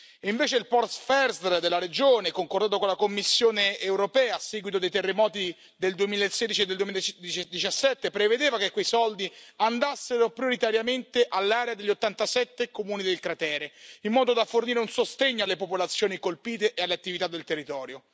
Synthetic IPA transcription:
iɱveːt͡ʃeilpɔrt̪fɛrsɾd̪elːaɾed͡ʒoːnekoŋkord̪aːt̪okonlakomːisːjoːneːwɾopɛːaːsːɛːɡwit̪od̪ejt̪erːemɔːt̪i | d̪eld̪uemiːlaesːeːd̪it͡ʃied̪ːeld̪uwemilad̪it͡ʃd̪it͡ʃasːɛt̪ːepɾeved̪eːvakekːwejsɔld̪iand̪asːeɾopɾjoɾit̪aɾjament̪eʔalːaːɾead̪eʎːot̪ːant̪asɛt̪ːekomuːnid̪elkɾat̪ɛːɾeimːɔːd̪od̪aforniːɾeunsost̪eɲːoalːepopolat̪sːjoːnikolpiːt̪eʔealːeat̪ːivit̪ad̪ːelt̪erːit̪ɔːɾjo

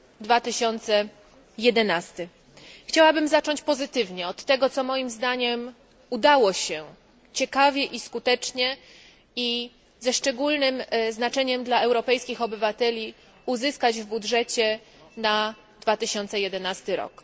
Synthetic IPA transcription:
d̪vat̪ɘɕɔnt̪sɛ | jɛd̪ɛnast̪ɘ | xt͡ɕawabɘmzat͡ʂɔɲt͡ɕpɔzɘt̪ɘvɲɛɔt̪ːɛɡɔt̪sɔmɔjimzd̪aɲɛm | ud̪awɔɕɛ | t͡ɕɛkavʲjɛʔiskut̪ɛt͡ʂɲɛ | i | zɛʂt͡ʂɛɡulnɘmznat͡ʂɛɲɛmd̪laɛwɾɔpɛjskʲixɔbɘvat̪ɛlʲi | uzɘskad͡ʑvbudʐɛt͡ɕɛ | na | d̪vat̪ɘɕɔnt̪sɛjɛd̪ɛnast̪ɘɾɔ̰k

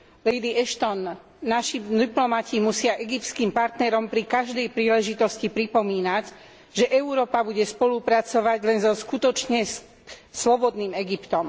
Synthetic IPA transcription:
lɛjd̪iɛʃt̪ɔnː | aʃid̪iplɔmacimusɪaʔɛɡip̚t̪skiːmpaɾt̪nɛɾɔmpɾikaʒd̪ɛjpɾiːlɛʒit̪ɔscipɾipɔmiːnaɟ | ʒɛʔɛuɾɔːpabuɟɛspɔlupɾat͡sɔʋaɟlɛnzɔskut̪ɔt͡ʃɲɛ | slɔbɔd̪niːmɛɡipt̪ɔm

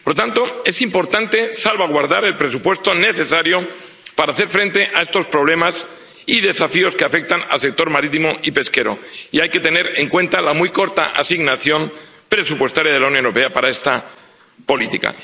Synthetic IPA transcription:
poɾt̪ant̪o̞e̞simpo̞ɾt̪ant̪e̞salβaɣ̞waɾðaɾe̞lpɾe̞supwe̞st̪one̞θe̞saɾjo̞ | paɾaːθe̞ɾfɾẽ̞nt̪e̞ʔae̞st̪o̞spɾo̞β̞le̞mas | iðe̞safio̞ske̞afe̞k̚t̪ana̰lse̞k̚t̪o̞ɾmaɾit̪imoipe̞ske̞ɾo̰iajke̞t̪e̞ne̞ɾe̞ŋkwe̞nt̪alamujko̞ɾt̪a̰ʔa̰siɣnaθjo̞mpɾe̞supwe̞st̪aɾjað̞e̞lauwnjoneɾo̞pe̞apaɾae̞st̪a | po̞lit̪ika̰

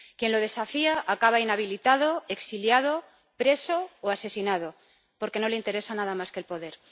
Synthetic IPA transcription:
kje̞nlo̞ð̞e̞safiaʔakaβainaβ̞ilit̪að̞o̞e̞ksiljað̞o̞ | pɾe̞so̞oase̞sinað̞o̞ | po̞ɾke̞no̞le̞int̪e̞ɾe̞sanaðamaske̞ːlpo̞ð̞e̞ɾ

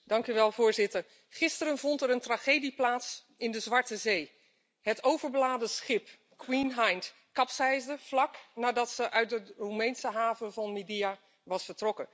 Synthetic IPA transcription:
dɑŋkyʋɛlˠvʊːɹzɪtəɹ | χɪstəɾənvɔntɛɾəntraːχejdiplaːts | ɪndəzʋɑɹtəzej | ɦətowvəɹbəlaːdəsχɪp | kwinɦajnt | kɑpsɛjzdəv̥lɑknaːdɑtsəʔœɥt̚dərumejnsəɦaːvəvɑnmidija | ʋɑsfəɹtrɔkə

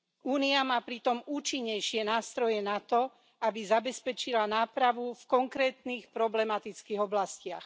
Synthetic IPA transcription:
ʔuːniamaːpɾit̪ɔmuːt͡ʃiɲːɛjʃɪɛnaːst̪ɾɔjɛnat̪ɔ | abizabɛspɛt͡ʃilanaːpɾaʋufkɔŋkɾɛːt̪niːxpɾɔblɛmat̪it͡skiːɣɔblascɪax

